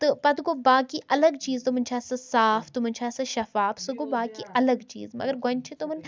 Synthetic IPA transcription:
t̪ɨpɐt̪ɡobaːkiʔɐlɐɡt͡ʃiːzt̪omɐnt͡ʃʰaːsɨsaːfʰt̪umɐnʲt͡ʃʰaːsɨʃɐfaːbsɨɡobaːkiʔɐlɐɡt͡ʃḭːzmɐ̰ɡɐɾɡɐ̃nt͡ʃʰit̪omɐn

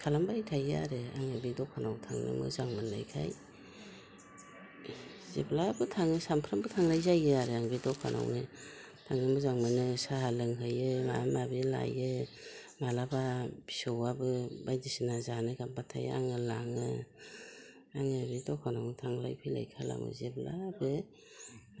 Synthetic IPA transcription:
kʰalambajtʰajɯa̰ɾɯa̰ŋɯbidɔkʰanawtʰaŋnɯ̰mɯ̰zaŋmɯnla̰jkʰa̰j | zḛpʰlabɯtʰaŋɯsampʰɾambɯtʰaŋlajzajɯaɾɯaŋbidɔkʰa̰na̰wni | tʰaŋnɯmɯzaŋmɯnɯsaɦalɯŋɦɯjɯmamabila̰jɯ | malababisowabɯbajdisinazanɯɡambatʰa̰ja̰ŋɯlaŋɯ | aŋɯbidɔkʰanawnitʰaŋla̰jpʰijla̰jkʰala̰mɯ̰zeblabɯ

